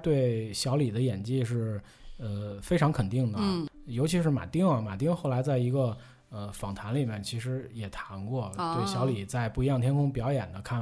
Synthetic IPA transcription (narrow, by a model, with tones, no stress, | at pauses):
t̪we˥˩ɪɕjɑ˧˥ʊli˨˩d̪ə˦jɛ˨˩nt͡ɕi˥˧ʂ̬ɻ̩˥˩ | ə˧fe˥ɪʈ͡ʂʰɑ˧˥ŋkʰə˨˩nt̪i˥˩ŋd̪ə˨˩ | jo˧˥ʊt͡ɕʰi˧˥ʂɻ̩˥˩ma̰˨˩t̪i˥ŋɐ˩ma̰˨˩t̪i˥ŋxo˥˩ʊla˧˥ɪt͡sa˥˩ɪi˧˥ɡə˧ | ə˧fɑ˨˩ŋt̪ʰa˧˥nli˨˩mjɛ˥˩nt͡ɕʰi˧˥ʂɻ̩˧˥jɛ˨˩t̪ʰa˧˥nkwɔ˥˩t̪we˥˩ɪɕjɑ˧˥ʊli˨˩t͡sa˥˧ɪpu˥˩i˧˥jɑ˥˩ŋt̪ʰjɛ˥nkʰʊ˥ŋpjɑ˧˥ʊjɛ˨˩nd̪ə˦kʰa˥˩